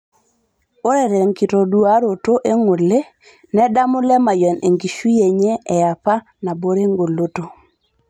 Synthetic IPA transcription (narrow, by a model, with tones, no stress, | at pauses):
o˦ɾe˨ɾɛ˨ŋki˨to˨du˦a˦ɾo˨to˦ʔe˦ŋu˨le˦ | nɛ˦da˦mu˦lɛ˦ma˨jɔ˨ne˨ŋɡi˨ʃu˦je˨ɲɛ˦ɛ˨a˨pa˦ | na˨bo˦ɾe˦ŋɡo˨lo˦to˨